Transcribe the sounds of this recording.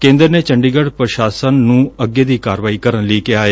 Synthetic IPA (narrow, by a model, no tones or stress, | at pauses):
kẽːnd̪əɾneːt͡ʃəɳɖiːɡəɽpɾəʃaːsənːũːəɡːeːd̪iːkaːɾʋaːiːkəɾənliːkɪaːe